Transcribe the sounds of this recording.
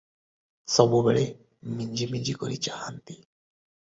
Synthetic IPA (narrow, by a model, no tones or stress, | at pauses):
sɔbubɛɭe | miɲd͡ʒimid͡ʒikɔɾit͡ʃaɦant̪i̥